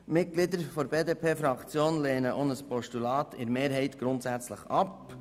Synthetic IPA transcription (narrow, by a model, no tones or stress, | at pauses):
mɪt̚ɡ̥lidəɾfoɾbeːdepʰeːfɾɑkt͡sjoːnleːnəʔonəspɔʃtulɑːt̪ɪ̰ɾmeːɾɦɛɪtɡ̥ɾʊntsæt͡sləχɑp